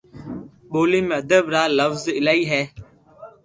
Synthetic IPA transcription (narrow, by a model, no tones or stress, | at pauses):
ɓoːliːmẽːəd̪əbɾaːləfzɪlaːiːɦɛː